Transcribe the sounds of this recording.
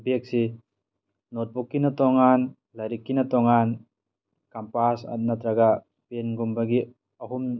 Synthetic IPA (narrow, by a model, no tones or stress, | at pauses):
bek̚si | nɔt̪̚bɔkːinat̪ɔŋan | laɾikːinat̪ɔŋan | kampasa̰t̪̚nat̪ɾaɡa | penɡumbaɡi | ɐɦum